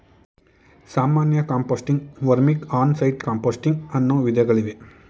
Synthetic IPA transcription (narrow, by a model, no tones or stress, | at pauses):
saːmaːnjɐkaːmpoːsʈiŋɡʋɐɾmikaːnsɐjʈkaːmpoːsʈiŋɡɐnːoːʋid̪ɐɡɐɭiʋe